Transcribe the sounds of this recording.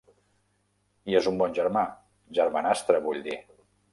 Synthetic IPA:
iezumbɔnʲʒəɾma | ʒəɾmanast̪ɾəβuʎd̪i

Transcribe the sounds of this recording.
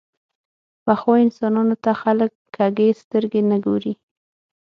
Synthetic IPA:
paxoɪnsɑnɑnot̪axaləkːaɡest̪əɾɡenəɡoɾi

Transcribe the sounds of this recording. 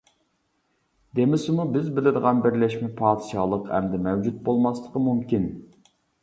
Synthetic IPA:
d̪emɪsɪmubɪzbɪlɪd̪əʁɑnbɪɾlɛʃmɛpʰɑːd̪ɨʃɑːlˠəqhɛ̰md̪ɛmɛwd͡ʒut̪̚bolˠmɑslˠəqəmumkʲin

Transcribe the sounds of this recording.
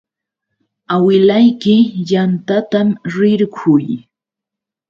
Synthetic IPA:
awɪlajkɪjant̪at̪amɾɪɾkʰʊj

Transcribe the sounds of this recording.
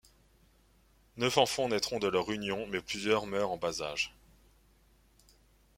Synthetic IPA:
nœfɑ̃fɑ̃nɛt̪χɔ̃d̪əlœʁynjɔ̃mɛplyzjœʁmœʁɑ̃bazaʒ

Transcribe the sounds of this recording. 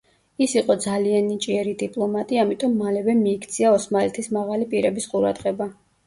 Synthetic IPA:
isiqʼɔd̪zalianːit͡ʃʼiɛɾid̪ipʼlˠɔmat̪ʼiamit̪ʼɔmːalɛvɛmiːkʰt̪sʰiaɔsmalɛt̪ʰismaʁalipʼiɾɛbisqʼuɾa̰d̪ʁɛba

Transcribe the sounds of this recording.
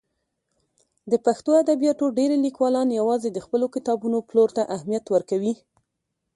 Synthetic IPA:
d̪əpaxt̪oad̪abijɑʈoɖeɾelikwɑlɑnjawɑzed̪əxpəlokɪt̪ɑbunoploɾt̪aʔahmijat̪wəɾkawi

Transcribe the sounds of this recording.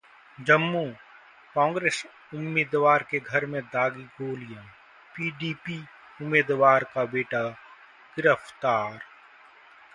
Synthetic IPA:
d͡ʒəmːu | kɔ̃ːŋɡɾeːs | ʊmːeːd̪ʋaːɾkeɡʱɐɾmẽd̪aːɡiɡoːlijə̃ | piːɖiːpi | ʊmːeːd̪ʋaːɾkabeːʈa | ɡ̥ɪɾəft̪aːɾ

